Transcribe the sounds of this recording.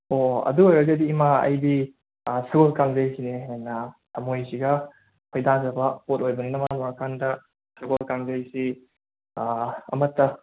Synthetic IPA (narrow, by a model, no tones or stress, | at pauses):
oɐ̰duojɾɐzɐdiːmaɐ̰jdi | sɐɡolkaŋzɐjsineɦenːɐtɐmojsiɡɐ | pʰojdanzɐbɐpʰotojbɐɡinɐmamɔɾakʰandɐ | sɐɡolkaŋzɐjsi | ɐ̰mɐtːɐ